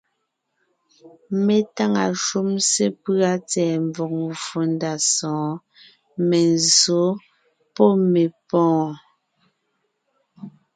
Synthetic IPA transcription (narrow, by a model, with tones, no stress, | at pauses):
me˨ta˦ŋa˨ʃu˦mse˦pɰa˦t͡sɛː˨mb͡vɔ˨k̚fu˨nda˨sɔ̃ː˨˦ | me˨nzo˨˦ | pɔ˦me˨pɔ̃ː˦˨